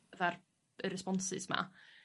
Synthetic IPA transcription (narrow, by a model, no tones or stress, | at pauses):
ðar | əɾɛspɔnsɪ̰sma̰